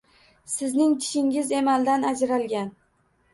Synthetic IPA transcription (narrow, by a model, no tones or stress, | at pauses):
sɪznɪŋt̪ʰɪ̥ʃɪŋɪzemalˠd̪anad͡ʒɾalɡʲan